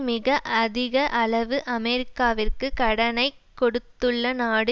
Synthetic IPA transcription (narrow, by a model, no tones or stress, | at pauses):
mɪɣɐʔɐðɪɣɐʔɐɭɐʋɯʔɐmɛɾɪkːaːʋɪrkɯkɐɽɐnɐɪ | kːɔɽɯt̪ːɯɭːɐnaːɽɯ